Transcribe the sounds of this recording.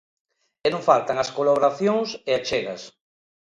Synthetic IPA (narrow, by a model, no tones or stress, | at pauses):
enõŋfalt̪aŋaskolaβoɾaθjoŋseat͡ʃeɣɐ̰s